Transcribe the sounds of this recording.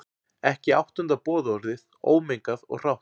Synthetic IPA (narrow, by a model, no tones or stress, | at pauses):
ɛhcɪawht̪ʏnt̪apɔːðɔɾðɪð | o̰ːwmejŋkaðɔ̰ɣr̥awht̪